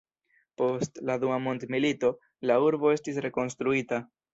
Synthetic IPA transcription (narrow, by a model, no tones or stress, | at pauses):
po̞stladuamo̞ntmilito̞ | lauɾbo̞e̞stis̬ɾe̞ko̞ns̬t̪ɾuita